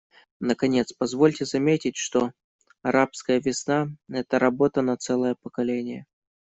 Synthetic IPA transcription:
nəkɐnʲe̞t̪spɐzvo̞lʲtʲɪzɐmʲetʲɪtʲʂt̪o | ɐɾʔapskəjəvʲɪsnaɛt̪əɾɐbo̞t̪ənɐt̪sɛlˠəjəpəkɐlʲenʲɪjə̰

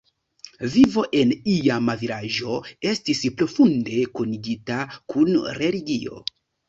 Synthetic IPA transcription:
vivo̞ʔe̞nijamaviɾaʒo̞e̞stispɾo̞funde̞koniɡitakunɾe̞liɡio̞̰

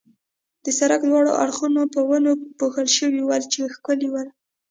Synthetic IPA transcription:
d̪̥əsaɾaklwɑɽo̰ʔa̰ɽxunopəwənopoxəlʃəwiwalt͡ʃexkəliwal

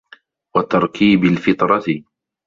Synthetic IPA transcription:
wɑt̪ɑɾˤkiːbalfɪt̪ɾˤɑt̪ɪ

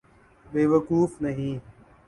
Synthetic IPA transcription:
beːʋəkuːfnəɦĩː

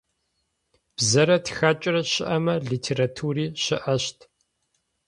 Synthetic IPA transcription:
b̥zɐɾɐtxaːt͡ʃʼɪrɐɕɪʔɐmɐɮiːtʰeːɾatʰuːriːɕɪʔɐɕtʰ

